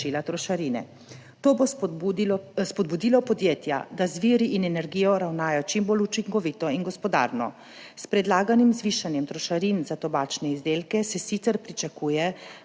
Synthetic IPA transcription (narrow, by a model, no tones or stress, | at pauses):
ilat̪ɾɔʃaɾinɛ̰ | t̪oːbo | spɔd̪̚bud̪iːlɔpɔd̪jeːt̪ja̰d̪azʋiːɾiʔinɛnɛɾɡijɔɾawnaːjɔt͡ʃimbolut͡ʃiŋkɔʋit̪ɔinɡɔspɔd̪a̰ːɾnɔ̰ | spɾɛd̪laːɡanimzʋiʃanjɛmt̪ɾɔʃaɾinzat̪ɔbaːt͡ʃnɛizd̪eːlkɛsɛsit̪sɛɾpɾit͡ʃakuːjɛ